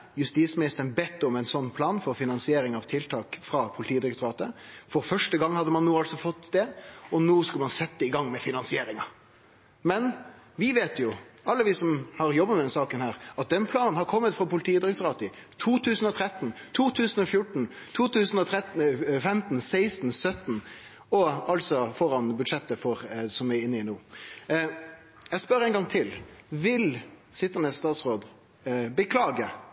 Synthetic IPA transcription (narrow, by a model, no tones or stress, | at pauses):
jʉst̪iːsmɪnɪst̪əɾnbɛt̪ːɔmæɪnsɔnːpʰlɑːnfɔɾfɪnɑnsɪeːɾɪŋɑʋt̪ʰɪlt̪ʰɑːkfɾɑpʰʊlɪt̪iːd̪ɾɛkt̪ʊɾɑːt̪əfɔɾfœʂʈəɡɑŋːhɑd̪ːəmɑnːoːɑlsɔfɔt̪ːd̪ɛɔnoːskʉlmɑnsɛt̪ːd̪əɪɡɑŋːmɛfɪnɑnsɪeːɾɪŋɑ | mɛn | ʋɪʋeːt̪jʊɑlːəʋɪsɔmhɑɾjɔbːəmɛd̪ɛnsɑːkənhæːɾɑt̪̚d̪ɛnpʰlɑːnənhɑɾkʰɔmːət̪fɾɑpʊlɪt̪ʰiːd̪ɾɛkt̪ʊɾɑːt̪ət̪ʰuːt̪ʰʉːsn̩ɔt̪ʰɾɛt̪n̩t̪ʰuːt̪ʰʉːsn̩ɔfjʊʈɳ̩n̩t̪ʰuːt̪ʉːsn̩ɔt̪ʰɾɛt̪fɛmt̪n̩sæɪst̪n̩sœt̪n̩ | ɔɑlt̪sɔfɔɾɑnbʉd̪ʂɛt̪ːəfɔɾsɔmɪɪnːəɪnuː | jæspœɾɛɪnɡɑŋt̪ʰɪlʋɪlsɪt̪ːənəst̪ɑːt̪sʁoːd̪ | bəkʰlɑːɡə